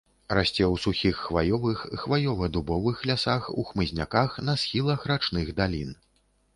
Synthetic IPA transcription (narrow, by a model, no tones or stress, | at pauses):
ɾasʲt͡sʲɛwsuxʲixːvajɔvɨxxvajɔvɐd̪ubɔvɨxlʲasaxuxmɨzʲnʲa̰kaxnɐsxʲilˠɐxrat͡ʂnɨɣd̪alʲin